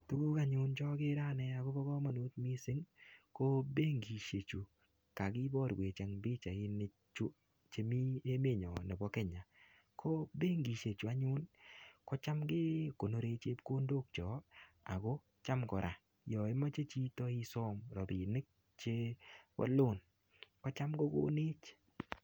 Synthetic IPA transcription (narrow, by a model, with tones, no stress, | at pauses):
tu˦ɡo˦ka˨ɲʊ˦nt͡ʃɔ˦ke˦ɾa˦˨nɛ˦a˨ɡo˦bɔ˦kɔ˦ma˨nu˦t̪̚mi˦sɪ˦ŋko˦be˦ŋɡi˨ʃe˨t͡ʃu˨ | ka˨kɪ˦bɔ˦ɾɡwe˨t͡ʃa˨ŋbɪ˦t͡ʃa˨ɪ˦nɪ˦ | t͡ʃu˦ | t͡ʃe˧mi˦e˦me˦˨ɲɔ˨ne˨bɔ˦kɛ˦ɲa˨ | kʰo˦be˦ŋɡi˨ʃe˨t͡ʃu˨a˦ɲʊ˦nkɔ˦t͡ʃa˦mɡɪ˦ko˨no˨ɾe˧t͡ʃe˦pko˦ndo˦k̚t͡ʃɔ˨ | a̰˨ɡo˦ | t͡ʃa˦mkɔ˨ɾʔa˨ | jɔ˨ɪ˦ma˦t͡ʃe˦t͡ʃi˦tɔ˦ɪ˦sɔ˦mɾɔ˨bɪ˨nɪ˦k̚ | t͡ʃe˦wɔ̰˦lʊ˦˨n | kɔ˦t͡ʃa˦mɡo˦ɡo̰˦nɪ˦t͡ʃ